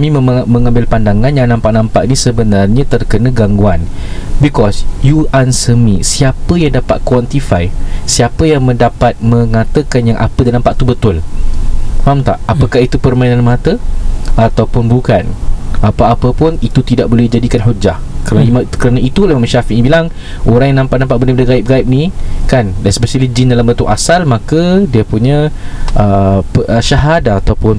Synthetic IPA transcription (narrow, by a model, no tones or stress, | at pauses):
amĩmə̃ŋãmbɪlpandaŋãnjaŋnãmpaʔnãmpaʔnisəbənarɲãt̪ərkənə̃ɡaŋɡuan | bikɔsjuansəmisiapəjaŋdapat̪̚kwɔnt̪ifajsiapəjaŋmə̃ndapat̪̚mə̃ŋat̪əkanjaŋʔa̰pədanãmpaʔt̪ubət̪ʊl | famt̪aʔapəkahit̪upərmãinanmãt̪əʔat̪awpʊnbukanapaːpəpʊnit̪ut̪idaʔbolɛhid͡ʒadikanɦud͡ʒahkəɾanmakəɾanaʔit̪ulaimamʃafiʔɲibilaŋ | ʔoɾaŋjanãmpaʔnampaʔbənbədaɡaip̚ɡaip̚nikandajsəbəsilid͡ʒɪndalambənt̪ʊʔasalmãkədiəpuɲə̃əpəʔəʃaɦadaːt̪awpʊn